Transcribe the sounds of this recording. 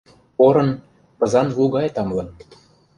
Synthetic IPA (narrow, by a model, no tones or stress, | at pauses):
oɾɤ̆n | pɤ̆zɑnluɣɑjt̪ɑmlɤ̆n